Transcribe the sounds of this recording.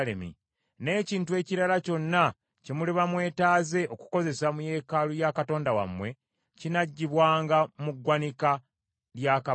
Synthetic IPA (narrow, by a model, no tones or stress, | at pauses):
lḛmḭ | ne̞ːciːntue̞ːciɾalaco̞nːa | cemuliβamwe̞ːtaːze̞ʔo̞ku̥ko̞ze̞samuje̞ːkalujakato̞ːndawa̰mwe̞ | cinaɟːiβwaːŋɡamuɡːwanika | ljaka